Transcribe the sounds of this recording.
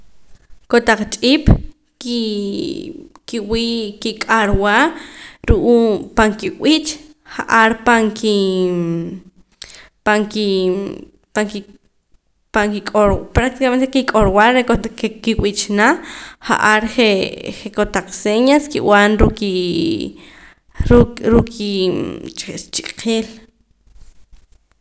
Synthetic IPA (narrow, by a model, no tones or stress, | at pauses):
kot̪aq͡χt͡ʃʼiːpʼ | ki | kiwiːkikʼaɾwaːɾuʔuːpaŋkiwit͡ʃ | χaʔaɾpaŋki | paŋki | paŋki | paŋkikʼoɾpɾak̚t̪ikament̪ekikʼoɾwaɾɾekokekiwit͡ʃnaχa̰ʔaɾχeχekot̪aq͡χseɲaskḭw̰anɾuki | ɾuɾukʰit͡ʃest͡ʃʼiqʰiːl